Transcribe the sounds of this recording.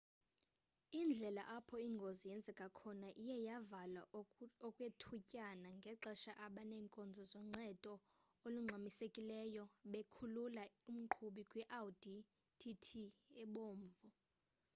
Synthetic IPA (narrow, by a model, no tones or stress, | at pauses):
ind͡ɮʱɛlaʔapʰɔiŋɡʱozijɛnd͡zʱɛkʼakʰɔnaʔijɛjavalaɔkʼwetʰucʼanaŋɡʱɛǁɛʃaʔaɓanɛːŋkʼɔnd͡zʱɔzɔŋ͡ǀɛtʼɔ | oluŋ͡ǀʱamisekʼilɛjɔɓekʰululaum̩ǃʰuɓikʼwɛʔaldi | tʰitʰiɛɓoːɱvɔ